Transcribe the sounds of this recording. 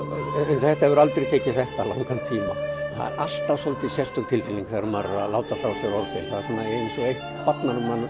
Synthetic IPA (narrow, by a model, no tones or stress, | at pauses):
ɛnθɛht̪aɛvʏɾalt̪ɾit̪ʰeːcɪθɛht̪alawŋkant̪ʰiːma̰θa̰ðʔal̥t̪asɔlt̪ɪsjɛst̪ʏkt̪ʰɪlfɪlːiŋkθaɾʏmarːalaːwt̪afawsɛvɔɾpḛjθaðsɛnːaensɔɣejht̪pat̪nanʏman